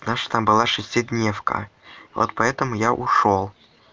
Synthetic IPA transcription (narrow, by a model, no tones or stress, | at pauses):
t̪naʂt̪ambɨlˠaʂɨsʲtʲɪd̪ʲnʲefkə̰vo̰t̪pɐɛt̪əmʊjaʔʊʂolˠ